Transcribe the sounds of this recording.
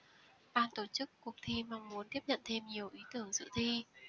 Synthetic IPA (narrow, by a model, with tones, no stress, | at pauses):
ɓaː˧nt̪o˧˩t͡ɕɨ˦˥kːu˨˩ək̚t̪ʰi˧ma˧ŋmu˨˦ənt̪i˦˥əp̚ɲə̰˧˨nt̪ʰe˧mɲi˨˩əwʔi˨˦t̪ɨ˧˩əŋzɨ̰˧˨t̪ʰi˧